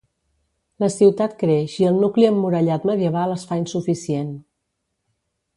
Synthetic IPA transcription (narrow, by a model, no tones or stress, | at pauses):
ləsiwt̪at̪kɾeʃiəlˠnukliəmːuɾəʎat̪məðiəβ̞aləsfainsufisien